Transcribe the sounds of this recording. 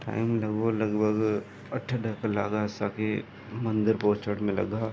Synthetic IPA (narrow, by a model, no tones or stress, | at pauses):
ʈa̰ːɪmlɐɡolɐɡbʱəɡ | ɐʈʰaɖʱəkəlaːɡaɪsake | mɐ̃nd̪ɪɾpoːt͡ʃəɽmẽlɐ̰ɡaː